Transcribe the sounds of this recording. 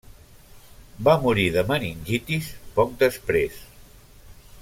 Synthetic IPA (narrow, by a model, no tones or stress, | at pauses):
bamuɾiðəməninʲʒit̪ispɔk̚d̪əspɾes